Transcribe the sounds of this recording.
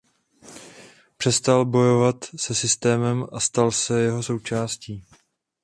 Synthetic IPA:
pr̥ɛst̪albo̞jo̞vat̪sɛsɪst̪ɛːmɛmʔast̪alsɛjɛɦo̞so̞wt͡ʃaːsciː

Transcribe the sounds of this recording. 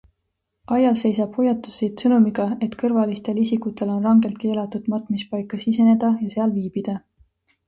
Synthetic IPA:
ɑjɑlse̞jsɑb̥hujɑt̪ːusid̪̥sɤnumiɡ̥ɑe̞t̪kɤrvɑlist̪e̞lisikut̪ːˑe̞lo̞nrɑŋɡe̞lt̪̚ke̞ːlɑt̪ːud̪̥mɑt̪ˑmispɑjkːˑɑsise̞ne̞d̪̥ɑjɑse̞ɑlviːb̥id̪̥ɑ

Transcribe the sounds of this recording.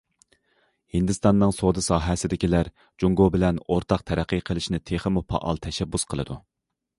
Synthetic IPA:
hind̪ɨst̪ɑnːɨŋsod̪ɨsɑːɦɛsɪd̪ɪkʲilæɾ | d͡ʒuŋɡobɪlɛnoɾt̪ʰɑq̚t̪ʰɛɾæqːiqʰəlˠɪʃnɪt̪ʰeχəmupʰɑ̰ʔɑ̰lˠt̪ʰɛʃɛbːusqʰəlˠɨ̰d̪u

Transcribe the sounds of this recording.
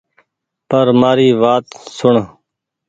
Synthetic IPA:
pəɾmaːɾiːʋaːt̪sʊɳ

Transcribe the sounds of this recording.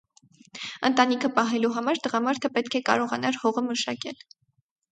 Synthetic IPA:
ənt̪ɑnikʰəpɑɦɛluɦɑmɑɾt̪əʁɑmɑɾt̪ʰəpɛt̪kʰɛkɑ̰ɾɔʁɑnɑɾhɔʁəməʃɑkɛl

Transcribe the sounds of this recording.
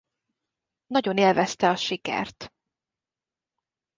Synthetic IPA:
nɒɟo̞neːlvɛst̪ɛɒʃikɛ̰rt̪

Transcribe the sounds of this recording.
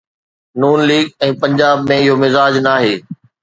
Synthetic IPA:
nuːnliːɡɛ̃ːpɐ̃ɲd͡ʑaːb̚mẽɪɦomɪzaːd͡ʑnaːɦeː

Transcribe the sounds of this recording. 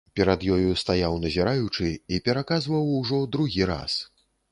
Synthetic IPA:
pʲɛɾad̪jɔjust̪ajawnɐzʲiɾajut͡ʂɨipʲɛɾakazvɐwuʐɔd̪ɾuɣʲiɾa̰s

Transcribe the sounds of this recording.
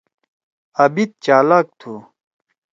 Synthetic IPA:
ɐbit̪̚t͡ɕaːlak̚t̪ʰu

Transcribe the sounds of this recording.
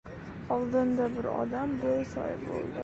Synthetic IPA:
ɒlˠd̪ɪnd̪abɪɾɒ̰d̪ambolˠsɒ̰jbo̰lˠd̪ɪ

